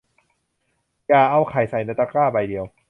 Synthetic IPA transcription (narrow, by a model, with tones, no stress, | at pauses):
jaː˨˩ʔa˧˩wkʰa˨˩˦jsa˨˩jna˧˦t̪a˧˥kaː˥˩ba˧˩jdi˨˧əw